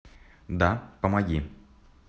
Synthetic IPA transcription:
d̪apəmɐɡʲi

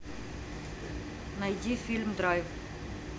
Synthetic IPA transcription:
najd̪ʲifʲilʲmd̪ɾɑjv

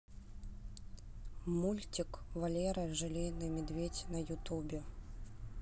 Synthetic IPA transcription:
mulʲtʲɪkvɐlʲeɾɐʐɨlʲinɨmʲɪd̪vʲetʲnɐjʊt̪ubʲɪ

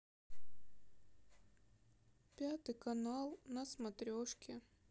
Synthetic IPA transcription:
pʲat̪ɨjkɐnalˠnɐsmɐt̪ɾʲoʂkʲɪ

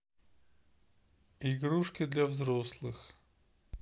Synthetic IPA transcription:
iɡɾuʂkʲɪd̪lʲavzɾoslˠɨx

